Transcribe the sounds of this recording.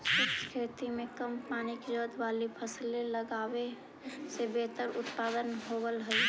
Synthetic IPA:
sukt͡ʃʰkʰet̪imekəmpanikd͡ʒəd̪balipʰəsleləɡabe | sebet̪əɾut̪pad̪ənɦobəlɦəj

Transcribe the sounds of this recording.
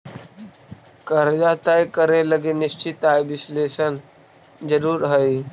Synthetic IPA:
kəɾd͡ʒaːt̪ajkəɾeləɡenɪst͡ʃit̪aːjʋɪsleːʃən | d͡ʒəɾuːɾɦəj

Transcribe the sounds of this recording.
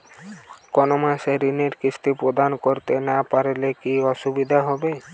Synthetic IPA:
kɔnomaseɾineɾkist̪ipɾod̪ʱankoɾt̪enapaɾelekiɔʃubid̪ʱaɦɔbe

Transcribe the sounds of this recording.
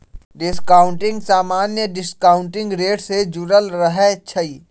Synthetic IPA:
ɖɪskaːʊ̃ɳʈɪ̃ŋɡsaːmaːnjəɖɪskaːʊ̃ɳʈɪ̃ŋɡɾeːʈsed͡ʒuɾəlɾəɦɛt͡ʃʰəiː

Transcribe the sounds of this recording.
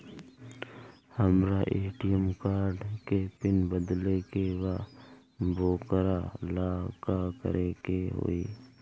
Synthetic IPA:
həmɾaʔeːʈijəmkaːɾɖkepɪnbəd̪lekeʋa | bʱoːkɾalaːkakə̰ɾekeɦo̰ːiː

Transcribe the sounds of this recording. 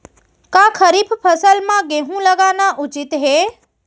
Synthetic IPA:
kaːkʰəɾipʰpʰəsəlmãɡeɦũləɡaːnaʔʊt͡ʃɪt̪ɦeː

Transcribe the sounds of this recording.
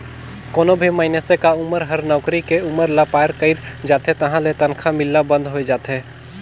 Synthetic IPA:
koːnobʱimaːɪnesekaʊməɾɦəɾnɔːkɾikeʊməɾlapaːəɾkəɪɾd͡ʒaːt̪ɦẽt̪ɐɦãlet̪ənkʰamɪlːabə̃nd̪ɦoed͡ʒaːt̪ɦeː

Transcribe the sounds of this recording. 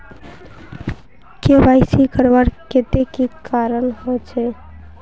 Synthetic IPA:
kebaɪsikəɾʋaɽket̪ekikaɾənɦot͡ʃʰɛ

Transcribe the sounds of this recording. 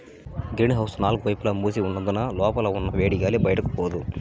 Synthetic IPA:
ɡɾiːnɦɐwsnaːluɡuʋɐjpulɐmuːs̬iunːɐnd̪unɐlɔːpɐlɐunːɐʋeːɽijaːlibɐjɐʈɐku̥poːd̪u

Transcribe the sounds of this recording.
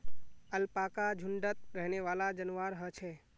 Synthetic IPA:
əlpaːkad͡ʒʱʊɳɖət̪̚ɾəɦneʋaːlad͡ʒənʋaːɾɦət͡ʃʰe

